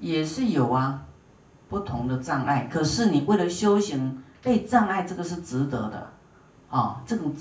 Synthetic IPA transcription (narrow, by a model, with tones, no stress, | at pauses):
jɛ˨˩ʂɻ̩˥˩jo˨˩ʊɐ˦ | pu˥˩t̪ʰʊ˧˦ŋd̪ə˨ʈ͡ʂɑ˥˧ŋʔa˥˩ɪkʰɤ˨˩ʂɻ̩˥˩ni˨˩we˥˩ɪlə˨˩ɕjo˥ʊɕi˧˥ŋpe˥˧ɪʈ͡ʂɑ˥˧ŋa˥˧ɪʈ͡ʂɤ˥˩ɡə˨ʂ̬ɻ̩˥˩ʈ͡ʂɻ̩˧˦t̪ɤ̰˧˥d̪ə̰˧ | ɔ˥˨˩ʈ͡ʂɤ˥˩ʈ͡ʂʊ˨ŋ